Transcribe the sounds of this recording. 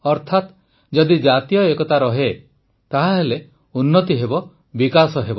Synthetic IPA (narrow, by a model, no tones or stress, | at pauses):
ɔɾt̪ʰat̪ | d͡ʒɔd̪id͡ʒat̪ijɔekɔt̪aɾɔɦe | t̪aɦaɦele | unːɔt̪iɦebɔ | bikasɔɦebɔ